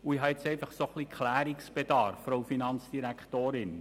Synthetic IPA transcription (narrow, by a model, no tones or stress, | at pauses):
uiɦɑɪt͡sɛɪfɑχsoχliːkχlæːɾiksb̥ed̥ɑɾfːɾowfinɑnt͡sd̥iɾækχtoːɾɪn